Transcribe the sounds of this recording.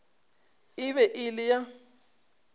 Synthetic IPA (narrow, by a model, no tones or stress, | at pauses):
ɪβɛʔɪlɪja